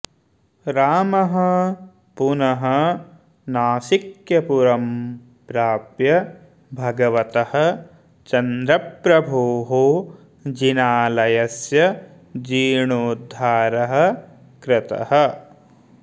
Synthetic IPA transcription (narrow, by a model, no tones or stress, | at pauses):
ɾaːmɐɦɐ | punɐɦɐ | naːsikjɐpuɾɐm | pɾaːpjɐ | bʱɐɡɐʋɐt̪ɐhɐ̆ | t͡ʃɐnd̪ɾɐpɾɐbʱuːɦu | d͡ʒinaːlɐjɐsjɐ | d͡ʒiːɳuːd̪ʱːaːɾɐɦɐ̆ | kɾɪt̪ɐ̰hɐ̆